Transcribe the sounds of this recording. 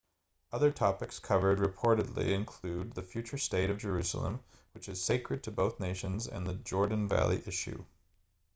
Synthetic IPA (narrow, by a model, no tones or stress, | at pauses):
ʌðə˞tʰɑpɨkskʰʌvə˞d̚ɹɨpʰɔɹɾɨdˡlḭɨ̃nkʰl̥ʉd̪̚ðɨfjʉt͡ʃə˞steɪɾʌvd͡ʒə˞ʉsl̩ˠə̰̃m | wɨt͡ʃɨz̥seɪkʰɹɨd̚tʰɨboʊθneɪʃɨ̃nzɨ̰̃nðɨd͡ʒɔɹdⁿn̩væ̰lˠḭʔɪʃʉ̰